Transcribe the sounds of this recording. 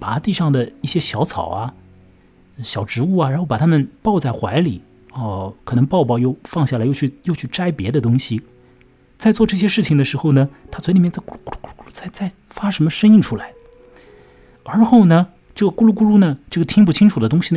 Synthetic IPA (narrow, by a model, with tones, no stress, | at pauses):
pa̰˨˩t̪i˥˧ʂɑ˥˩ŋd̪ə˩i˥˩ɕjɛ˥ɕjɑ˧˥ʊt͡sʰɑ̰˨˩ʊɐ˦˧˩ | ɕjɑ˨˩ʊʈ͡ʂɻ̩˧˥u˥˩ɐ˩ɻxo˥˩ʊpa˨˩t̪ʰa˥mə˨npɑ˥˧ʊt͡sa˥˩ɪxwa˧˥ɪli˨˩˦ | ə˥˧kʰɤ˨˩nɤ˧˥ŋpɑ˥˧ʊpɑ˥˧ʊjo˥˧ʊfɑ˥˧ŋɕja˥˩lɪjo˥˧ʊt͡ɕʰy˥˧˩jo˥˧ʊt͡ɕʰy˥˩ʈ͡ʂa˥ɪpjɛ˧˥d̪ə˧t̪ʊ˥ŋɕi˨ | t͡sa˥˧ɪt͡swɔ˥˧ʈ͡ʂɤ˥˩ɕ̬jɛ˥ʂɻ̩˥˩t͡ɕʰi˩ŋd̪ə˩ʂɻ̩˧˥xo˧ʊnə˩t̪ʰa˥t͡sʰwli˨˩mjt͡sa˥˩ɪku˥lu˥ku˥u˥ku˥u˥ku˥u˥t͡sa˥˩ɪt͡sa˥˩ɪ | fa˥ʂə˧˥nmə˧ʂə˥ŋi˥˧ŋʈ͡ʂʰu˥la˧˥ɪ | ə˞˧˥xo˥˩ʊnə˩ | ʈ͡ʂɤ˥˩ɡə˩ku˥lu˥˩ku˥lu˥nə˨ʈ͡ʂɤ˥˩ɡə˩t̪ʰi˥ŋp̬u˥˩t͡ɕʰi˥ŋʈ͡ʂʰu˨˩d̪ə˦t̪ʊ˥ŋɕi˨n˧